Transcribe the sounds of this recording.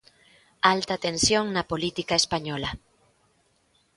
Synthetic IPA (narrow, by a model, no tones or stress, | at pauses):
alt̪at̪ensjoŋnɐpolit̪ikaespaɲɔlɐ